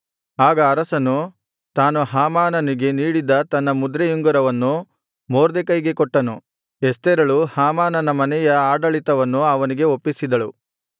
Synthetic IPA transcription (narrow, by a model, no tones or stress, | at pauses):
aːɡɐːɾɐsɐnu | t̪aːnuɦaːmaːnɐniɡe̞niːɽid̪ɐt̪ɐnːɐmud̪ɾejuŋɡɐɾɐʋɐnːu | moːɾd̪ekɐjɡe̞koʈːɐnu | est̪eɾɐɭuhaːmaːnɐnɐmɐnɛjɐaːɖɐɭit̪ɐʋɐnːuɐʋɐniɡe̞opːisid̪ɐɭu